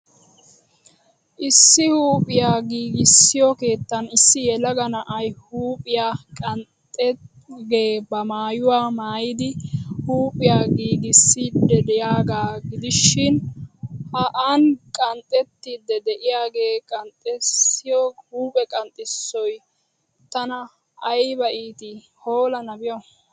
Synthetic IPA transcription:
ʔɪsːɪhuːpʼɪjaːɡiːɡɪsːɪjɔke̞ːt̪ːɐnɪsːɪjɛlɐɡɐnɐʔɐjhuːpʼɪjaːkʼɐnt̪ʼɛ | ɡe̞ːbɐmaːjʊwaːmaːjɪd̪ɪhuːpʼɪjaːɡiːɡɪsːid̪ɛd̪ɛjaːɡaːɡɪd̪ɪʃɪn | hɐʔankʼɐnt̪ʼːɛt̪ːiːd̪ɛd̪ɛʔɪjaːɡe̞ːkʼɐnt̪ʼɛsːɪjɔhuːpʼɛkʼɐnt̪ʼɪsːɔj | t̪ɐnɐː | jbɐʔiːt̪ɪ | hoːlɐnɐbɪjɔ

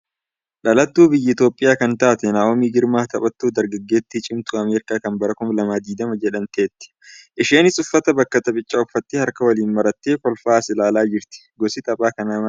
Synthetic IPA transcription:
ᶑɐlɐt̪ːuːbɪjːɐɪt̪o̞ːpʼːɪjaːkɐnt̪aʔt̪ɛnaːɔmiːɡɪɾmaːt̪ɐpʼɐt̪ːuːd̪ɐɾɡɐɡːeːt̪ːɪt͡ʃʼɪmt̪uɐmeːɾɪkaːkɐnbɐɾɐkʊmlɐmaːd̪iːd̪ɐmɐd͡ʒɛᶑɐnt̪eːt̪ːɪ̥ʔɪʃeːnɪsʊfːɐt̪ɐbɐkːɐt̪ɐbʼɪt͡ʃʼːɐʊfːɐt̪ːɪhɐɾkɐwɐliːnmɐɾɐt̪ːeːkɔlfaːsɪlaːlaːd͡ʒɪɾt̪ɪ̥ɡɔsɪt̪ɐpʼaːkɐnaːmɐ

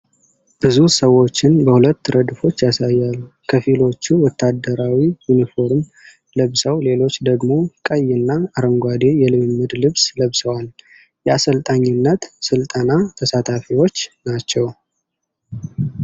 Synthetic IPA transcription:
b̥ɨzusəwːo̞t͡ʃːɪnbəhulət̪ːɨɾʔəd̪ɨfo̞t͡ʃːjasajːalːukʰəfilo̞t͡ʃːuwɔt̪ʰːad̪ːəɾawijunifo̞ɾm | ləβsəwle̞lo̞t͡ʃːd̪əɡmo̞kʼəjːɪnːaːɾəŋɡʷad̪e̞jɛlɨmɨmːɨd̪lɨβsləβsəwal | jɛasəlt̪ʼaɲːɪnːət̪sɨlt̪ʼənat̪ʰəsat̪ʰafiwo̞t͡ʃːnat͡ʃːɛw

